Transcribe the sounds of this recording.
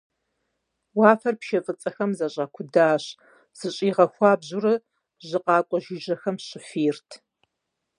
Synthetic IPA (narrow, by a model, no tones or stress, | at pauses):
wɑːfɐrpʃɐfʼɨt͡sʼɐxɐmzɐɕʼaːkʷʰʊdaːɕ | z̥ɨɕʼiːʁɐxʷɑːbʑʊrɨ | ʑɨqɑːkʷʼɔʒɪʒɐxɐmɕɪfiːrtʰ